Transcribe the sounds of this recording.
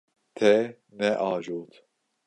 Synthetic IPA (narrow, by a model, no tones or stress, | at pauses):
t̪ʰɛ | nɛʔɑːʒuːt̪